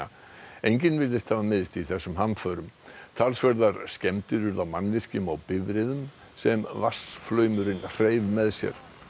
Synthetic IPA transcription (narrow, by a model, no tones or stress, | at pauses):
ejɲcɪnvɪlðɪst̪haːvamɪðɪst̪iθɛsːʏmɦanfœːɾʏmt̪ʰalsvɛɾðaɾ̥scɛmt̪ʏɾʏɾðawmanːvɪr̥cʏmawpɪvɾɪðʏm | sɛmvasflœːɥmʏɾɪnr̥eːjvmɛðsjɛ̰ɾ̥